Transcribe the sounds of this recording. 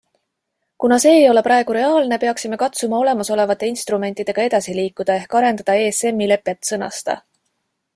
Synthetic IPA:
kunɑse̞ːjo̞le̞pɾɑe̞ɡ̥uɾe̞ɑːlne̞pe̞ɑksime̞kɑt̪sumɑo̞le̞mɑso̞le̞vɑt̪ːˑe̞inst̪rume̞nʲt̪ːˑid̪̥e̞ɡ̥ɑe̞d̪ɑsiliːkːˑud̪̥ɑe̞hkɑɾe̞nd̪̥ɑd̪̥ɑe̞ːse̞mːile̞pːˑe̞t̪ːˑsɤnɑ̰st̪ɑ̰

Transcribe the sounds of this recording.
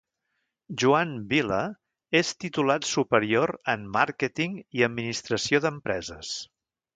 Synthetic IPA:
ʒuanbilə | est̪it̪ulat̪supəɾioɾəmːaɾkət̪iŋiəd̪minist̪ɾəsioðəmpɾɛzəs

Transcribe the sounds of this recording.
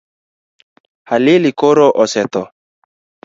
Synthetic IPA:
halilikoɾoʔɔsɛt̪ɔ

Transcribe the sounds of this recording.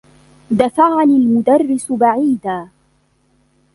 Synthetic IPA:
d̪afaʕanɪlmʊd̪arːɪsbaʕiːd̪aː

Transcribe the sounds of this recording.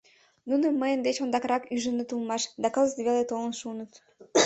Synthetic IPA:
nunə̆məjə̆nd̪et͡ɕond̪ɑkɾɑkyʒənət̪ulˠmɑʃd̪ɑkəlˠəzt̪βʲelet̪olˠənʃunət̪

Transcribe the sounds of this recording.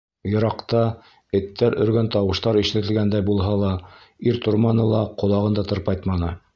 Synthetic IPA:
jɤ̆ɾɑqt̪ɑ | ɘ̆t̪ːæɾʔɵ̰̆ɾɡænt̪ɑwɤ̆ʃt̪ɑɾiʃɘ̆t̪ɘ̆lɡænd̪æjbulˠɦɑlˠɑ | iɾt̪ŏɾmɑnɤlˠɑqŏlˠɑʁɤ̆nd̪ɑt̪ɤ̆ɾpɑjt̪mɑnɤ

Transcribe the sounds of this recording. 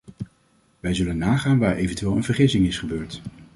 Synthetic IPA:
ʋɛjzɵlənːaːχaːnʋaːɹʔejvəntyʋeːlˠənv̥əɹχɪsɪŋɪsχəbøːɹt

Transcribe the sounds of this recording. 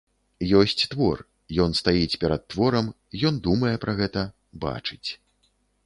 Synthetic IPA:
jɔsʲt͡sʲt̪vɔr | jɔn̪st̪ajit͡sʲpʲɛɾɐt̪̚ːvɔɾɐm | ijɔnd̪umɐjɛpɾɐɣɛt̪ɐ | ba̰t͡ʂɨt͡sʲ

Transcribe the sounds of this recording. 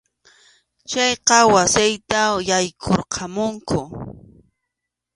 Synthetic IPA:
t͡ʃɑjqɑwasɪjt̪ajajkʰoɾqʰɑmʊŋkʰʊ

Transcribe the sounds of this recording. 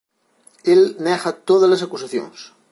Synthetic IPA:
elnɛxɐt̪oð̞ɐzlɐsakusaθjo̰ŋs

